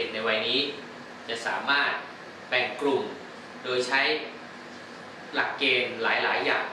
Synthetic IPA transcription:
e˨˩na˧jwa˧jniː˦˥ | t͡ɕa˨˩ʔsaː˩˦maː˥˩t̪̚ | pɛː˨˩ŋkɾu˨˩m | doː˧jt͡ɕʰa˦˥j | la˨˩kːeː˧mlaː˩˦jla̰ː˩˦jːa̰ː˨˩ŋ

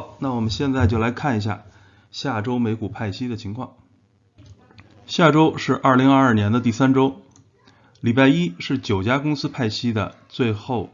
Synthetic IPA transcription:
na˥˩wɔ˨˩mə˦nɕjɛ˥˧nt͡sa˥˧ɪt͡ɕjo˥˩ʊla˧˥ɪkʰa˥˩ni˧˥ɕ̬ja̰˥˧˩ | ɕja˥˩ʈ͡ʂo˥ʊme˧˥ɪku˨˩pʰa˥˩ɪɕi˥d̪ə˨t͡ɕʰi˧˥ŋkʰwɑ̰˥˩ŋ | ɕja˥˩ʈ͡ʂo˥ʊʂɻ̩˥˧ʔɐ˞˥˩li˧˥ŋɐ˞˥˧ɐ˞˥˩njɛ˧˥nd̪ə˧t̪̬i˥˩sa˥nʈ͡ʂo˥ʊ | li˨˩pa˥˩ɪi˥ʂɻ̩˥˩t͡ɕjo˨˩ʊt͡ɕja˥kʊ˥ŋsɹ̩˥pʰa˥˩ɪɕi˥d̪ə̰˨ | t͡swe˥˧ɪxo˥˧ʊ

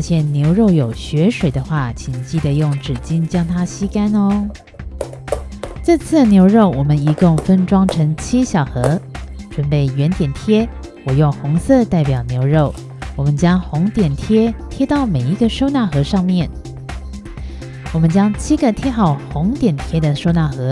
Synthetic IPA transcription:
ə˥˧ɕʰjɛ˥˩nnjo˧˥ʊɻo˥˩ʊjo˨˩ʊɕɥɛ˧˥ʂwe˨˩ɪd̪ə˦xwa˥˩t͡ɕʰi˨˩nt͡ɕi˥˩d̪ə˩jʊ˥˩ŋʈ͡ʂɻ̩˨˩t͡ɕi˥nt͡ɕjɑ˥ŋt̪ʰa˥ɕi˥ka˥nɔ˧ | t͡sa˥˧t͡sʰɹ̩˥˩njo˧˥ʊɻo˥˩ʊwɔ˨˩mə˦ni˧˥kʊ˥˧ŋfə˥nʈ͡ʂwɑ˥ŋʈ͡ʂʰɤ˧˥ŋt͡ɕʰi˥ɕjɑ˨˩ʊxɤ˧˥ʈ͡ʂwə˧˥npe˥˩ɪɥɛ˧˥nt̪jɛ˨˩nt̪ʰjɛ˥ | wɔ˨˩jʊ˥˩ŋxʊ˧˥ŋsɤ˥˧t̪a˥˩ɪpjɑ˨˩ʊnjo˧˥ʊɻo˥˩ʊ | wɔ˨˩mə˦nt͡ɕjɑ˥ŋxʊ˧˥ŋt̪jɛ˨˩nt̪ʰjɛ˥t̪ʰjɛ˥t̪ɑ˥˩ʊme˨˩ɪi˧˥ɡə˧ʂo˥˧ʊna˥˩xɤ˧˥ʂɑ˥˧ŋmjɛ˥˩n | wɔ˨˩mə˦nt͡ɕjɑ˥ŋt͡ɕʰi˥ɡə˧˨t̪ʰjɛ˥xɑ˥˩ʊxʊ˧˥ŋt̪jɛ˨˩nt̪ʰjɛ˥d̪ə˨ʂo˥˧ʊna˥˩xɤ˧˥

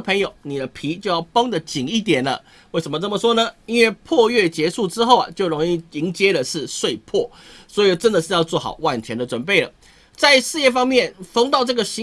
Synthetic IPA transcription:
pʰə˧˥ŋjo˨˩ʊni˨˩d̪ə˦pʰi˧˥t͡ɕjo˥˧jɑ˥˩ʊpɑ˥ŋd̪ə˨t͡ɕi˨˩ŋi˥˩t̪̬jɛ˨˩nə̰˦ | we˥˩ɪʂə˧˥nmə˧ʈ͡ʂə˥˩mə˩ʂwɔ˥nə˨i˥nwe˥˩ɪpʰwɔ˥˧ɥɛ˥˩t͡ɕjɛ˧˥ʂu˥˩ʈ͡ʂɻ̩˥xo˥˩ʊɐ̰˨˩t͡ɕjo˥˩ʊɻo˧˥ŋi˥˩i˧˥ŋt͡ɕjɛ˥də˨ʂɻ̩˥˧ʂwe˥˧ɪpʰwɔ˥˩ | swɔ˧˥i˨˩ʈ͡ʂə˦˥nd̪ə˨ʂɻ̩˥˧jɑ˥˧t͡swɔ˥˩xɑ̰˨˩ʊwa˥˩nt̪ʰjɛ˧˥ndə˨ʈ͡ʂwə˨˩npe˥˩ɪlə̰˩ | t͡sa˥˧ɪʂɻ̩˥˧jɛ˥˧fɑ˥ŋmjɛ˥˩nfɑ˥ŋt̪ɑ˥˧ʊʈ͡ʂɤ˥˩ɡə˩ɕi˧˦

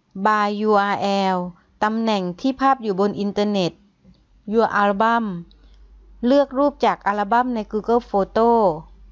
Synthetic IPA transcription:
baː˧juː˧ʔaː˧ʔɛː˧w | t̪a˧mnɛ˨˩ŋt̪ʰiː˥˩pʰaː˥˩p̚juː˨˩bo˧nʔi˧nt̪ɤ˧ne˨˩t̪̚ | juː˧ʔaː˧lba˧˥˩m | lɯ˥˩ək̚ɾuː˥˩p̚t͡ɕaː˨˩k̚ʔaː˧la˧ba˧˥˨mna˧˥jkuː˧kɤ˧˥˩foː˧t̪oː˥˩

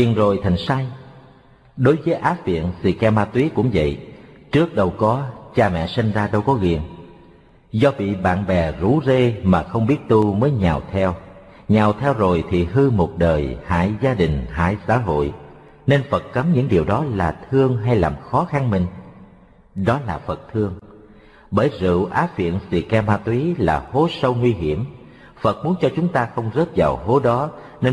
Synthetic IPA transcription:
ki˨˩ənzo˨˩jt̪ʰa˨˩jŋ̟saː˧j | ɗo˨˦jvəː˨˦jʔaː˨˦˥vḭ˧˨ənsi˧˩kɛ˧maː˧t̪wi˨˦əkʊ̰˧˥ŋ͡mvə̰˧˨jt͡ɕɨ˦˥ək̚ɗə˨˩wkɔ˨˦t͡ɕaː˧mɛ̰˧˨si˧ŋ̟zaː˧ɗə˧wkɔ˨˦ɣḭ˨˩ən | zɔ˧ɓḭ˧˨ɓa̰ː˧˨nɓɛ˨˩zu˨˦ze˧maː˨˩xə˧wŋ͡mɓi˦˥ət̚t̪u˧məː˨˦jɲaː˨˩wt̪ʰɛ˧w | ɲaː˨˩wt̪ʰɛ˧wzo˨˩jt̪ʰi˨˩ɦɨ˧mo˨˩t̚ɗəː˨˩jha̰ː˧˥˨jzaː˧ɗï˨˩ŋ̟ɦa̰ː˧˥˨jsa̰ː˧˥ɦo̰˧˨j | ne˧nfə˨˩t̚kə˨˦mɲɨ̰˧˥ŋɗi˨˩əwɗɔ˨˦laː˨˩t̪ʰɨ˧əŋɦa˧jlaː˨˩mxɔ˨˦xa˧nmï˨˩ŋ̟ | ɗɔ˨˦laː˨˩fə˨˩t̚t̪ʰɨ˧əŋ | ɓəː˧˩jzɨ̰˧˨ʔaː˨˦fḭ˧˨ənsḭ˧˩ka˧maː˧t̪wi˨˦laː˨˩ho˨˦sə˧wŋwi˧ɦi˧˩əm | fə˨˩t̚mu˨˦ənt͡ɕɔ˧t͡ɕʊ˨˦ŋ͡mt̪aː˧xə˧wŋ͡mzəː˦˥t̚vaː˨˩wɦo˨˦ɗɔ˨˦ | ne˧

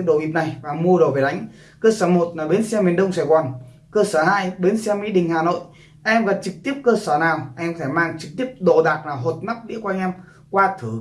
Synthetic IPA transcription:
ɗo˧˨ʔi˨˩p̚na˨˩jvaː˨˩mu˧əɗo˨˩ve˨˩ɗa˨˦ŋ̟ | kəː˧səː˧˩mo˨˩t̚laː˨˩ɓe˨˦nsɛ˧mi˨˩ənɗə˧wŋ͡msaː˧˩jkwaː˨˩n | kəː˧səː˧˩haː˧jɓe˨˦nsɛ˧mḭ˧˥ɗï˨˩ŋ̟haː˨˩no̰˧˨jʔ | ʔɛ˧mɣə˨˩n̚t͡ɕɨ˨˩k̚t̪i˦˥əp̚kəː˧səː˧˩naː˨˩wʔɛ˧mkɔ˧e˧˩maː˧ŋt͡ɕɨ˨˩k̚t̪i˦˥əp̚ɗo˨˩ɗaː˨˩k̚laː˨˩ɦo˨˩t̚ma˦˥k̚ɗḭ˧˥kwaː˧ŋʔɛ˧m | kwaː˧t̪ʰɨ˨˩

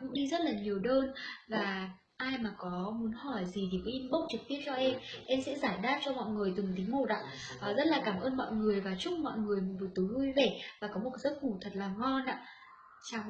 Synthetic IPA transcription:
kʊ̰˧˥ŋ͡mɗi˧zə˦˥t̚laː˨˩ɲi˨˩əwɗəː˧nvaː˨˩ | ʔaː˧jmaː˨˩kɔ˨˦mu˨˦nhɔ˧˩jzi˨˩t̪ʰi˨˩kɔ˨˦ʔi˧mɓə˦˥k͡p̚t͡ɕɨ˨˩k̚t̪i˦˥əp̚t͡ɕɔ˧ʔɛ˧mʔɛ˧msɛ̰˧˥zaː˧˩jɗaː˦˥p̚t͡ɕɔ˧mɔ̰˧˨jŋɨ˨˩əjt̪ɨ˨˩ŋt̪ï˨˦ŋ̟mo˨˩t̚ʔa̰ː˧˥ʔəː˨˩zə˦˥t̚laː˨˩kaː˧˩mʔəː˧nmɔ̰˧˨jŋɨ˨˩əjvaː˨˩t͡ɕʊ˦˥k͡p̚mɔ̰˧˨jŋɨ˨˩əjmu˨˩vu˨˩t̪ɨ˨˦hɨ˧jve˧˩vaː˨˩kɔ˨˦mo˨˩kzə˦˥t̚ŋu˧˩t̪ʰə˨˩t̚laː˨˩ŋɔ˧nʔa̰ː˧˥ | t͡ɕaː˧˩w

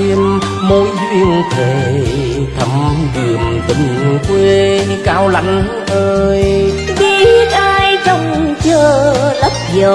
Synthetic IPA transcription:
i˧m | mo˧˦jzwḭ˧ənt̪ʰe˨˩ | t̪ʰə˧˩mɗɨ˨˩əmt̪ḭ˧˩ŋ̟kwe˧ɨ˧kaː˧˩wla̰˧˨˩jŋlə˨˦nʔəː˧j | ɓi˦˥ət̚ʔaː˧jt͡ɕɔ˧wŋ͡mt͡ɕəː˧˩lə˦˥p̚zəː˨˩

